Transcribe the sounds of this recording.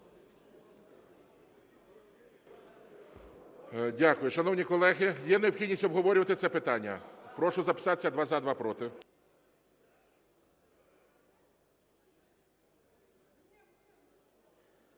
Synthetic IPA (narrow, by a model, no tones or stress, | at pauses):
dʲakʊjʊʃɐnɔwnʲikɔlˠɛɦɪjɛneɔbxʲid̪ʲnʲisʲɔbɦɔʋɔɾʲʊʋɐt̪ɪt̪sɛpɪt̪ɑnʲːɐ̰pɾɔʃʊzɐpɪ̥sɑt̪sʲɐd̪ʋɑzɐd̪ʋɑpɾɔt̪ɪ